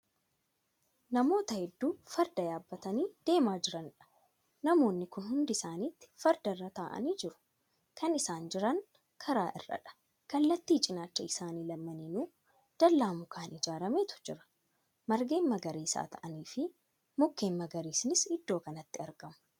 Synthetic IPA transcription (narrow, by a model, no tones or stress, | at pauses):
nɐmo̞ːt̪ɐhɛd̪ːuːfɐɾd̪ɐjaːbːɐt̪ɐniːd̪̥e̞ːmaːd͡ʒɪɾɐnᶑɐ̥ | nɐmo̞ːnːɪkʊnhʊnd̪ɪsaːniːt̪ːɪ̥fɐɾd̪ɐrːɐt̪aːʔɐ̰niːd͡ʒɪɾʊ̥ | kʰɐnɪsaːnd͡ʒɪɾɐŋ | kʰɐɾaːʔɪ̰rːɐ̰ᶑɐ̥ | kɐlːɐt̪ːiːt͡ʃʼɪnaːt͡ʃːɐɪsaːniːlɐmːɐninuː | d̪̥ɐlːaːmʊkʰaːnɪd͡ʒaːɾɐmeːt̪ʊ̥d͡ʒɪ̰ɾɐ̥ | mɐɾɡe̞ːmmɐɡɐɾiːsa̰ːt̪ʰɐ̰ʔɐniːfɪ | mʊkːeːmmːɐɡɐɾiːsɪnɪsɪd̪ːo̞ːkɐnɐt̪ːɪɐɾɡɐmɐ̥